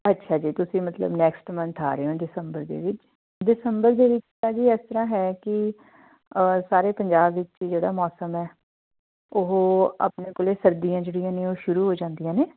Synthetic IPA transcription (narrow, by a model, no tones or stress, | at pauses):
ətːʃʰaːd͡ʒiːt̪ʊsĩːmət̪lə̰bnɛːksʈmənt̪ʰaːɾeːɦõːɖɪsəmbəɾd̪ḛːʋɪt͡ʃ | ɖɪsəmbəɾd̪eːʋɪt͡ʃt̪aːd͡ʒiːɛːst̪əɾaːɦɛːkɪ | saːɾeːpəɲd͡ʒaːbʋɪt͡ʃid͡ʒeːɽaːmɔːsəmɛː | oɦa̰ːpneːkʊleːsəɾd̪ijãːd͡ʒeːɽijãːneːoːʃʊɾuːɦoːd͡ʒãːnd̪ijãːneː